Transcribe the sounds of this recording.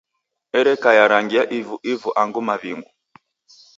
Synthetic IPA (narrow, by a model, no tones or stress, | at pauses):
ɛɾɛkajaɾaŋɡiaʔivuʔivuʔaŋɡumaβiŋɡu